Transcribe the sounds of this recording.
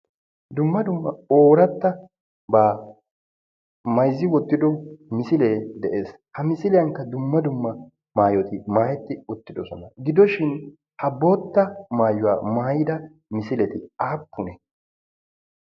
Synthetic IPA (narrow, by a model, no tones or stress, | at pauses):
d̪ʊmːɐd̪ʊmːɐoːɾɐt̪ːɐ | baː | mɐjzːɪwɔt̪ːɪd̪ɔmɪsɪleːd̪ɛʔe̞ːs | hɐmɪsɪlɪjɐŋkːɐd̪ʊmːɐd̪ʊmːɐ | maːjɔt̪ɪmaːjɛt̪ːɪʊt̪ːɪd̪ɔsɔnɐɡɪd̪ɔʃɪn | hɐboːt̪ːɐmaːjʊwa̰ːmaːjɪd̪ɐ | mɪsɪlɛt̪ɪaːpːʊnɛ